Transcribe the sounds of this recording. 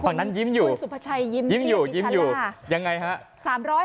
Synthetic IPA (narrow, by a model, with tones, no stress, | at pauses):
aː˨˩ŋna˦˥nji˦˥mjuː˨˧˩su˨˩pʰa˧˩t͡ɕʰa˧jːi˦˥mji˦˥mjuː˨˩ji˦˥mjuː˨˩ja˧ŋːa˧jɦa˦˥ʔ | saː˨˩˦mɾɔː˦˥